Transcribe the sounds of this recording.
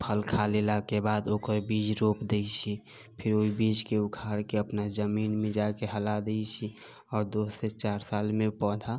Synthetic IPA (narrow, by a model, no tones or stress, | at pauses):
pʰəlkʰalelakebaːd̪oːkəɾbiːd͡ʒɾoːpd̪eit͡ʃʰi | pʰɪɾoibiːd͡ʒkeʊkʰaːɾkeəpnazəmiːnmẽd͡ʒakeɦəlad̪eit͡ʃʰi | ɔːɾd̪oːset͡ʃaːɾsaːlmẽpɔːd̪ʱa